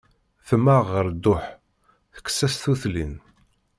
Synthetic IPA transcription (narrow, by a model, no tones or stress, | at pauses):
θəmaʁəɾd̪ːʊħ | θə̥kːsæsθuθlin